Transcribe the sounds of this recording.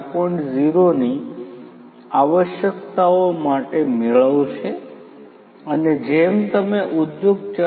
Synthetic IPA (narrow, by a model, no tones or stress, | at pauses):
pɔiɳʈziɾoni | aʋəʃjəkt̪aomaʈemeɭəʋt͡ʃʰe | əned͡ʒemt̪əmeʔud̪joɡt͡ʃa